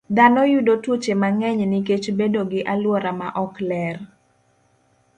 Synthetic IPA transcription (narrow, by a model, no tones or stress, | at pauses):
d̪anɔjudotut͡ʃemaŋɛɲnɪket͡ʃbedoɡɪʔalwɔɾamaʔɔklɛr